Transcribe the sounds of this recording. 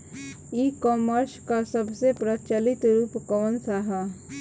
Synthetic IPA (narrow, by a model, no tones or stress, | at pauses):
ikɔːməɾskasəbsepɾət͡ʃalɪt̪ɾuːpkɔːnsaɦa